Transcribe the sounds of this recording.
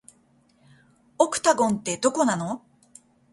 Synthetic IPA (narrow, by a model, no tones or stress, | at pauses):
okɯ̟̥t̪aɡõ̞nt̪e̞d̪o̞ko̞nano̞